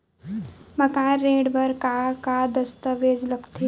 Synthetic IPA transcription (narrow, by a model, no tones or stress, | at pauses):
mɐkaːeːɖbɐɾkaːkaːd̪əst̪əʋeːd͡ʒlɐkt̪ʰi